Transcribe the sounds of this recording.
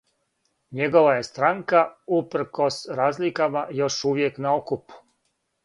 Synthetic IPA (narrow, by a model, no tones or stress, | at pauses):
ɲe̞ɡo̞ʋaje̞st̪ɾaŋkaupɾ̩ko̞sɾaːzlikamajo̞ʃuʋje̞knaokupu̥